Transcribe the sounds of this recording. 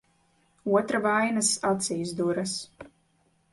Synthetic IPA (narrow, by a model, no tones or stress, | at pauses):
uɔt̪ɾavajnasat̪sʲiːsd̪uɾas